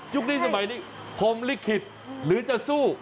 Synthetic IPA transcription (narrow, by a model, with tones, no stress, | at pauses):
t͡ɕu˦˥k̚niː˥˩sa˧ma˨˦jniː˧˩ | pʰo˨˦mli˦˥˩kʰːi˨˩t̪̚ | lɯː˨˦t͡ɕa˨˧˩suː˥˩